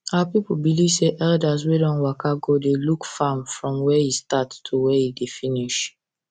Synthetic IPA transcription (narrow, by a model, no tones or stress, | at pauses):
apip̩bilivseʔɛldas̬wedɔ̃nwakaɡodelukfamfɹɔ̃mwɛjistattʰuwɛjidefiniʃ